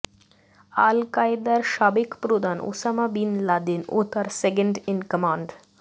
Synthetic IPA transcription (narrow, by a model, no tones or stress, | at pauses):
alkajd̪aɾʃabekpɾod̪anʔo̰samabinlad̪ino̰t̪ʰaɾsekeɳɖɪnkəmaɳɖ